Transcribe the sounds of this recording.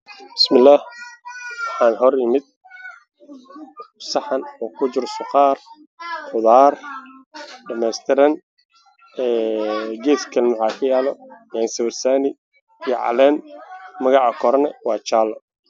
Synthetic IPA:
bɪ̥smɪlːaːh | wɑħɑːnɦɔɾjɪmɪd̪̚ | sɑħɑnɔːkʰʊt͡ʃɪrsʊqɑːr | χʊðaːr | ɖɐmɛːst̪ʰɪɾɐn | ɛːɡɛːskʰɐlnʊħaːkʰɐjaːlɔjɛːnsɐβɐrsaːnɪː | jɔʕɑ̰lɛːnmɐɣɑʕɑkʰɔɾɐnɛwɑːt͡ʃaːlɔ

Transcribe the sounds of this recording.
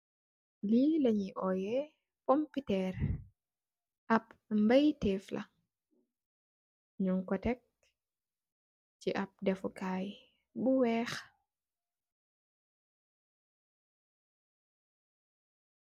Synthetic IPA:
lilaɲiʔɔjɛ | pɔmpitɛɾ | ʔapmbajtɛflʔa̰ | ɲuŋkɔtɛk̚ | t͡ʃiʔap̚dɛfɔkaj | buwɛːx

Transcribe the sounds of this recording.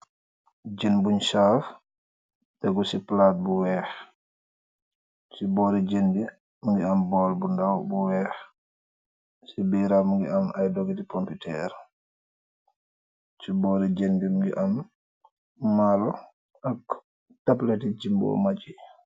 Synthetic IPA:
d͡ʒenbuɲsaːf | tɛɡɔsiplat̚buwɛːx | t͡ʃibɔːɾid͡ʒendi | muŋɡiambɔlbundawbuwɛːx | sibiɾamuŋɡḭamajdɔɡitipɔmpitɛ̰ɾ | t͡ʃibɔɾid͡ʒendimuŋɡḭʔam | alɔ | ak | taplɛtid͡ʒimbɔ̰mat͡ʃi

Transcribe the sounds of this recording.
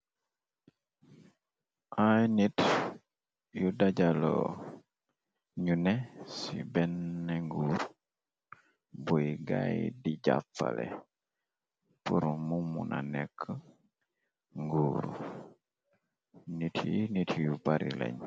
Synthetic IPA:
ʔajnit | judaɟalo | ɲunɛsibɛnːɛŋɡuɾ | buiɡajdiɟafalɛ | puɾumumunʔanɛkʰːə | ŋɡuːɾṵ | nitʰinitʰjupaɾilɛ̰ɲ

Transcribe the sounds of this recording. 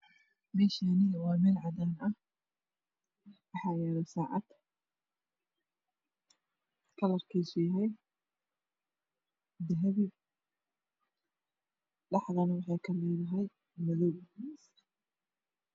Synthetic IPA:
mɛːʃanɪwɑːmɛːlʕɑd̪aːnɐh | wɑħɑjaːɾɐsaːʕɑ̰d̪̥ | kʰɐlɐrkʰiːʃiɦɛj | d̪ɐɦɐβi | lɑħðɐnɐwɑħɑːkʰɐmɪːðɐɦɛj | mɐðɔws

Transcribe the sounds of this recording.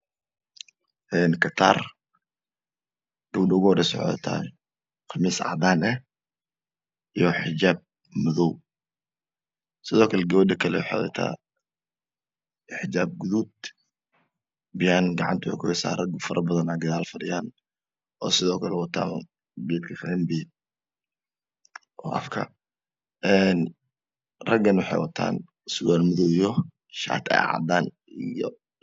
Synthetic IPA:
ʔɛnkʰɐt̪ʰa̰ːr | dʊɡɖʊɣɔːdɛsɔ̰ʕ̰ɐ̰t̪ʰa̰ɛ̰ | qɑmiːsɑ̰ʕd̪aːnɛ | ʔijɔħɪd͡ʒaːb̚ | mʊðɔw | sɪðɔːkʰɐlɛɡɐwɐdɐkʰɐlɛwħa̰ðɛ̰t̪ʰa̰ː | ɪħd͡ʒaːb̚ɡʊðuːd̪̚ | bɪjaːnɡɑʕɑ̰nt̪ʰʊʊ̰kʰʊhɛsa̰ːrɐɡfɐɾʔɐbɐðɐnaːɡɐðaːlfɐɾɪjaːn | ɔːsɪðɔːkʰɐlɛwɐt̪ʰa̰ːn | bɛːd̪kʰɐfɛmbi | ʔɔːʔɐ̰fkʰɐ̰ | ɛn | rɐɡɐnwʊħɑjwɐt̪ʰa̰ːn | sʊwaːlmʊðɔwjɔ | ʃa̰ːt̪ʰɛ̰jʕɑ̰d̪aːn | ijɔ̰

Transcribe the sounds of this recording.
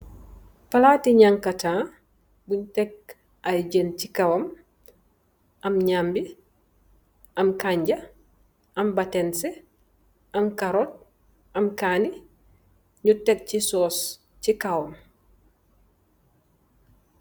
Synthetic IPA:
palatiɲaŋkatãː | buɲtek̚ | ajɟəncikawɐm | ɐmɲambi | ʔɐmkaɲɟɐ | ɐmbatense | ɐmkaɾot̚ | ɐmkaːni | ɲutek̚cisoːs | cikawom

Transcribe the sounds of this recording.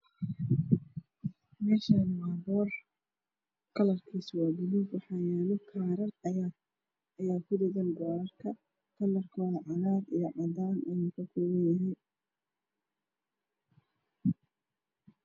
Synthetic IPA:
mɛːʃanmaːbɔːr | kʰɐlɐrkʰiːswaːɡɪlubwɑħɑːjaːlɔkʰaːɾɐr | jaːkʰʊd̪ɪɣɐnɡɔːɾɐrkʰɐ | kʰɐlɐrkʰɔwɑʕɑnaːd̪ijɔʕɑd̪aːnɪjukʰɐkʰɔːwɐnjɐɦɛj

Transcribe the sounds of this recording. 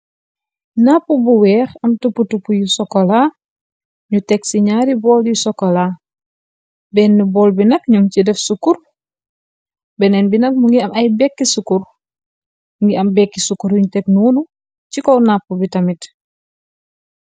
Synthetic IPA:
napːubuwɛːxɐmtupːutupːujusɔkːola | ɲutɛksiɲaɾibɔːljusɔkːola | bɛnːubɔlbinɐkɲuŋcidɛfsukuɾ | bɛnɛnbinɐk̚muŋɡiɐmɐjbɛkːisukur | ŋɡiɐmbɛkːisukuɾuɲutɛk̚nunu | cikɔwnapːubitɐmit

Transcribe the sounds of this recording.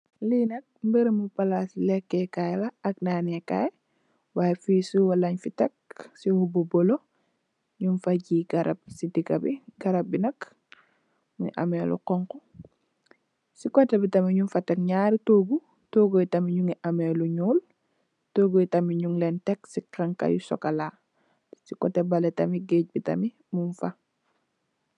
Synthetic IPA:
linɐk̚mbiɾimupalasilɛkːɛkajlaɐknaːneka̰j | wajɛfiːsuwɐlaɲfitɛk̚sihubobɔlo | ɲunfaɟiːɡaɾɐ̰b̚sidikɐ̰biɡɐɾɐb̚binɐk | ŋḭʔa̰melʔṵqɔŋkɔ | sikɔtɛbitɐmiɲunfɐtɛk̚ɲaːɾitoːɡu | toːɡojtɐmiɲuŋiʔameːluɲuːl | toːɡojtɐmiɲuŋlentɛksikaŋka̰jṵsɔ̰kalaː | sikɔ̰tɛbɐlɛtɐmiɡeːc̚bitɐ̰mi | muɱfɐ

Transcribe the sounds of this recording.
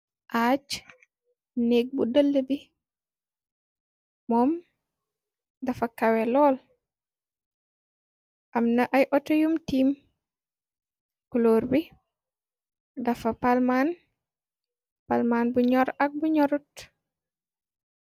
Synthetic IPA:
ʔaːt͡ʃ | neːk̚budəlːəbi | mɔːm | dɐfɐkawelɔːl | ʔɐmnɐʔɐjʔɔtɐjumtiːm | kuloːɾbi | dɐfɐpalmaːn | palmaːnbuɲɔɾɐk̚buɲɔɾut

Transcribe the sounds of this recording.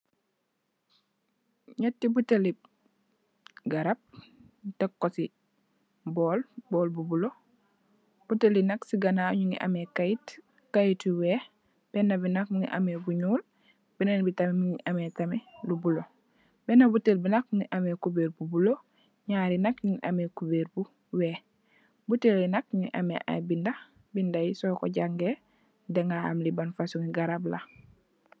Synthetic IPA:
ɲatːibuteli | ɡaɾap̚ | tekːosi | bɔːlboːlbubulo | b̥utelinɐksiɡanaɲuŋḭʔa̰mekait | kajitiwe | b̥ɛnɐbinakmuŋḭʔa̰mebuɲuːl | b̥inenbitamemiŋiʔametamelubulo | bɛnabutelbinak̚ŋiʔamekubeːɾbubulo | ɲaːɾinakɲuŋiʔamekubeːɾbu | weː | butelːinak̚ɲiʔamḛʔa̰binda | bindajisoko̰ɟaŋɡe | deŋɡaha̰ːmlibanfasuŋiɡaɾabla

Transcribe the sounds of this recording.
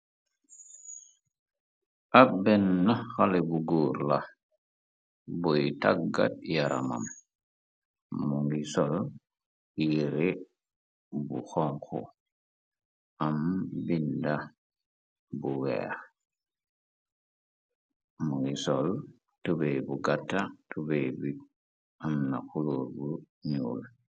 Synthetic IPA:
ʔabɛnːaxalɛbuɡuːɾla | bɔjtaɡːa̰t̚jaɾa̰ma̰m | uŋɡisɔl | jiɾɛ | bṵxɔŋkɔ̰ | ambinda | buwḛ | muŋɡisɔl | tubejbuɡatːatʰubejbi | amnaxuloɾbu | ɲul

